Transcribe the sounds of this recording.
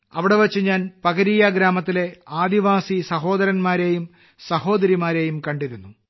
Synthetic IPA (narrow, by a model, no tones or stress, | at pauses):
ɐ̰ʋiɽe̞ʋɐt͡ɕːɨɲaːnpɐɣɐɾiːjɐɡɾaːmɐt̪ːile̞aːd̪iʋaːsisɐɦo̞ːd̪ɐɾɐnmaːɾeːjum | sɐho̞ːd̪ɐɾimaːɾeːjumkɐɳɖiɾunːu